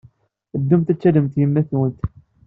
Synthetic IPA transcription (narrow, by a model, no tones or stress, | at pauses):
θəd̪ːumt̪æt͡sːæləmt̪jəmːæθwənt̪